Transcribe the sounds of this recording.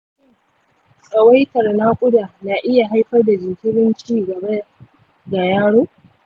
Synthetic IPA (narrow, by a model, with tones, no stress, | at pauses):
sʼɐ˨wa˦jtɐ˨rna˦kʷʼʊ˦da˨na˨ʔɪ˦ja˨ɦa˦jɸɐ˦rda˨d͡ʒɪ˨ŋkʲɪ˦ɽɪ˦nt͡ʃiː˦˨ɡɐ˨ba˦ | da˨jaː˦ɽoː˦